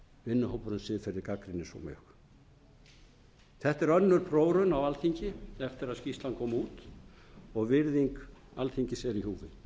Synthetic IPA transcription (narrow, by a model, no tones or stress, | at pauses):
vɪnːʏhowpʏɾʏnsɪːðfɪɾːɪɾkakɾɪnːɪsɔ̰mʏ̰x | θɛht̪ɛɾœnːʏɾ̥pʰɾoːwɾʏnawalθiɲcɪɛft̪ɪɾaðscist̪lankʰɔːmuːt̪ | ɔɣvɪɾðiŋkalθiɲcɪsɛɾiɦuːvɪ